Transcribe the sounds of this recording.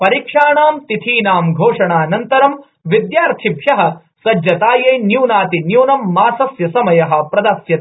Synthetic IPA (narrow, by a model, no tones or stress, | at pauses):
pɐɾikʂaːɳaːmt̪it̪ʰiːnaːmɡʱoːʂɐɳaːnɐnt̪ɐɾɐm | ʋid̪jaːɾt̪ʰibʱjɐɦɐ̆ | sɐd͡ʒɐt̪aːjeːnjuːnaːt̪injuːnɐmːaːsɐsjɐsɐmɐjɐɦɐ̆pɾɐd̪ɐsjɐt̪